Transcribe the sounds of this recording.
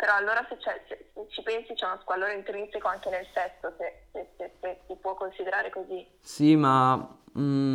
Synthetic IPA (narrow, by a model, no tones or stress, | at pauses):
peɾɔalːoːɾaset͡ʃːɛseset͡ʃːipɛnsit͡ʃɛnskalːoːɾaint̪ɾinsekoaŋkenelt̪ɛst̪osesesesesipwɔkːonsid̪eɾaːɾekozi | sima